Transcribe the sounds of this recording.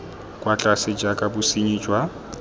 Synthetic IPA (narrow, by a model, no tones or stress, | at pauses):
kʼwat͡ɬʼasɪd͡ʒakʼabʊsiɲid͡ʒwa